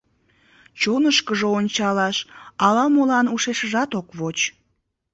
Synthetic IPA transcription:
t͡ɕonəʃkəʒoonʲt͡ɕɑlɑʃɑlɑmolɑnuʃeʃəʒɑt̪okβot͡ɕ

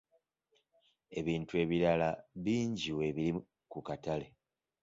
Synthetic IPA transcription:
e̞βiːntue̞βiɾalaβiːɲɟiwe̞βili | kukatale̞

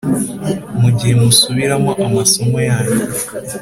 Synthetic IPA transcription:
muɟiemusuβiɾamoʔamasomojaːɲe

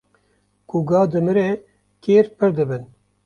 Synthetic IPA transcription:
kuɡɑːd̪ɨmɨɾeː | keːɾpɨɾd̪ɨbɨn

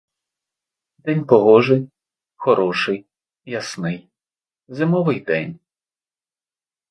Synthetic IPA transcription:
d̪̥ɛnʲpɔɦɔʒɪj | xɔɾɔʃɪj | jɐsnɪj | zɪmɔʋɪjd̪ɛ̰nʲ

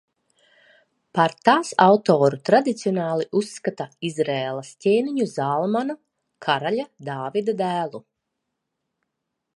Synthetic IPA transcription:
paɾt̪aːsawt̪oːɾut̪ɾad̪it̪siɔnaːlˠiʔusːkat̪aizɾeːlˠastʲeːniɲuzaːlˠmanu | kʰaɾaʎʲad̪aːvid̪ad̪æːlˠu

